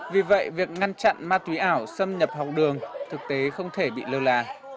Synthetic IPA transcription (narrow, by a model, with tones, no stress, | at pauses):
vi˨˩və̰˧˨jvi˨˩ək̚ŋa˧nt͡ɕa̰˧˨nmaː˧t̪wi˨˦ʔaː˧˩wsə˧mɲə˨˩p̚hɔ˨˩wk͡p̚ɗɨ˨˩əŋt̪ʰɨ˨˩k̚t̪e˨˦xə˧wŋ͡mt̪ʰe˧˩ɓḭ˧˨ləː˨˩laː˨˩